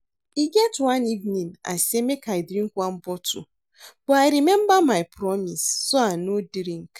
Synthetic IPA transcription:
iɡɛtwãnivnĩna̰semekaɪdɾĩŋkwãm̩bɔtṵ | b̥ɔaɪɾimɛmbamaɪpɾɔmisːoanodɾĩŋk

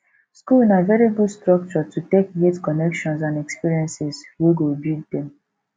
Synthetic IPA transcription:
skulinavɛɹiɡudstɹɔk̚t͡ʃɔtutekjetkɔnɛkʃɔ̃ns̬ãnɛkspiɹiɛ̃nsɛsweɡobild̚dɛ̃m

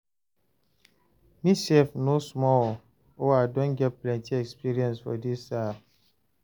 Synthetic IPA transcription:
misefnosmɔl | oadõnɡɛt̚plɛ̃ntiɛkspiɾiɛ̃nsfɔ̰disa

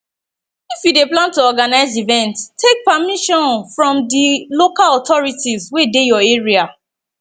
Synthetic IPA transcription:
ifjudeplãntuɔɡanaɪzivɛ̃ntstʰːek̚pamiʃɔ̃nfɹɔ̃mdilokalɔtɔɹitizwedejɔeɹia

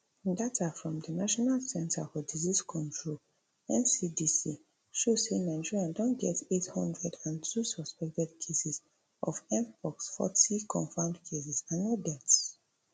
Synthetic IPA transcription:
datʰafɹɔ̃mdənaʃɔnalsɛ̃nta̰fɔdiziskʰɔ̃ntɹo | ɛ̃nsidisi | ʃoenaɪd͡ʒiɹiãndɔ̃nɡɛtethɔ̰̃ndɹɛdãntʰusɔspɛk̚tɛdkʰesɛs | ʔɔfɛ̃npʰɔksfɔ̰tikʰɔ̃ɱfãmdkʰes̬ɛsãnːodɛts

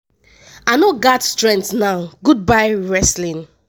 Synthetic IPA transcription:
aɪnoɡatstɹɛ̃ntnaʊɡud̚baɪɹɛslĩn

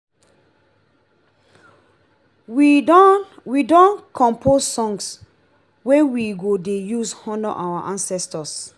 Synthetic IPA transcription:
widɔ̃nkʰɔ̃mpʰossɔ̃ŋs | wewiɡodejushɔ̃nɔʔawaʔãnsɛstɔs

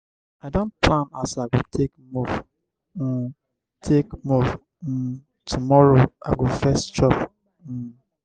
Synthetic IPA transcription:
aɪdõnt̚pʰlãna̰saɪɡotʰekmuf̩ | tʰekmuv̩ | tʰumɔɹoa̰ɡofɛst͡ʃɔp̩

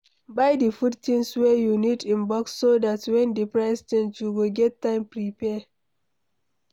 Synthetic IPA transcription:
baɪdifudtĩnswɛjunidĩmbɔksːodatwɛ̃ndipɹaɪstɛ̃ntjuwiɡɛtːãɪ̃mpɹipɛ

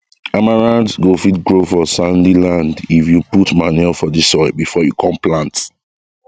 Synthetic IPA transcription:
amaɹãndɡofitɡɹofɔsãndilãndifjuputmanɛfɔdisɔbifɔjukʰɔ̃mplãnt

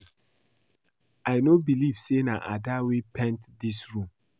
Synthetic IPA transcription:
aɪnobilivsena̰ʔa̰dawepʰɛ̃ntdisɹũm

